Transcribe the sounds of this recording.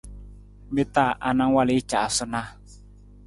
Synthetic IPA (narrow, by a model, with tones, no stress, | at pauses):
me˦t̪a˦˨ʔa˨na˦ŋ˦wa˦˨lɪ˨˦t͡ʃa˨a˨sʊ˦na˦